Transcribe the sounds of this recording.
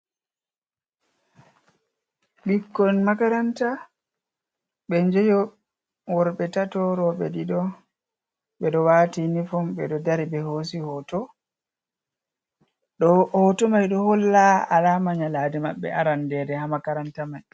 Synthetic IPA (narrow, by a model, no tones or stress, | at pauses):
bikːɔnmakaɾanta | ɓɛɲd͡ʒɛjɔ | wɔɾɓɛtatɔɾɔɓɛ̰ɗiɗɔ | ɓɛɗɔwatinifɔmbɛɗɔdaɾibɛhos̬ihɔtɔ | ɗɔhɔtɔmajɗɔhɔlːaa̰lamaɲalaːdimaɓːɛ̰aɾandɛdɛhamakaɾantamaj